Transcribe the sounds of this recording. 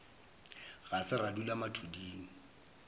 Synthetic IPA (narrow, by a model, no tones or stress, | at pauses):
ɣasɪradulamatʰudiːŋ̩